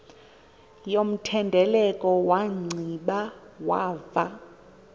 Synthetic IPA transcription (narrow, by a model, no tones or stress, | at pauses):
jom̩tʰɛndʱɛlɛkʼɔwaŋ͡ǀʱiɓawa̰ːva̰